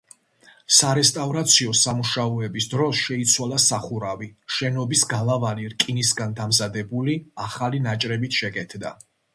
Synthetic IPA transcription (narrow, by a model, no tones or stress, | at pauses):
saɾɛst̪ʼavɾat̪sʰiɔsamuʃaɔɛbisd̪ɾɔsʃɛit̪sʰwalˠasaχuɾaviʃɛnɔbisɡalˠavaniɾkʼinisɡand̪amzad̪ɛbuliaχalinat͡ʃʼɾɛbit̪ʰʃɛɡɛt̪ʰd̪a̰